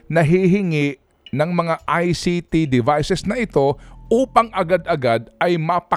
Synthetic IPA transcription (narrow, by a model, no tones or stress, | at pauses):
nɐɦiɦɪŋɪʔ | nɐŋmɐŋaʔajsit̪id̪ɪvajsɛsnɐʔɪt̪o̞ʔuːpɐŋʔɐɡad̪ɐɡad̪̚ɐjmɐpɐ